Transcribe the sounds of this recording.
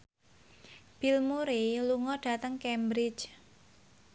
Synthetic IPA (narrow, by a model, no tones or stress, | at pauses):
b̥ɪ̤lmuɾeluŋɔɖ̥a̤t̪əŋkɛmbɾɪt͡ʃ